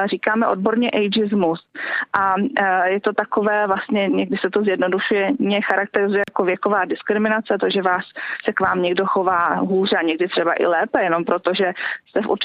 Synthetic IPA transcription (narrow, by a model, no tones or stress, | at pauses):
riːkaːmɛʔo̞d̚bo̞ɾɲɛʔɛjd͡ʒɪzmusʔajɛt̪o̞t̪ako̞vɛːvlast̪ɲɛɲɛɡ̚dɪsɛt̪ozjɛdno̞duʃujɛɲɛxaɾak̚t̪ɛɾɪzujɛjakovjɛko̞vaːdɪskɾɪmɪnat͡sɛt̪oʒɛvaːsːɛkvaːmɲɛɡdo̞xo̞vaːɦuːr̝ɛaɲɛɡdɪt̪r̝̥ɛbaʔɪ̰lɛːpɛjɛno̞mpɾo̞t̪o̞ʒɛst̪ɛfʔṵɾt͡ʃ